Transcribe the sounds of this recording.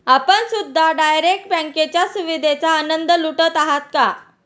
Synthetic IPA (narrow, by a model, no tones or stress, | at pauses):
apəɳsud̪ʱːaɖajɾek̚ʈ̚bɛ̃ŋket͡ɕjasuʋid̪ʱet͡saːnənd̪əluʈət̪aɦat̪̚ka